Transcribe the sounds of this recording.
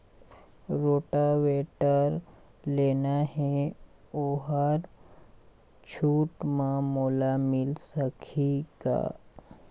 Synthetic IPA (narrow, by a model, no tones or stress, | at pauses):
ɾoːʈaʋeʈəɾ | leːnaɦɛ | oːɦaɾ | t͡ʃʰuːʈmãmoːlamɪlsəkʰiɡa̰